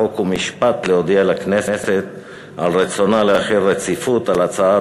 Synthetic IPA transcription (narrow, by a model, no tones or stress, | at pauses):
okumiʃpat̪leod̪ialakne̞sese̞t̪ | alʁet͡sonaleaχeɾːet͡sifut̪alat͡saa